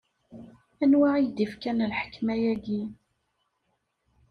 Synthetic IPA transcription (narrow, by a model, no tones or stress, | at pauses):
ænwaʕijd̪ifkænlħə̥kːmæjæɡi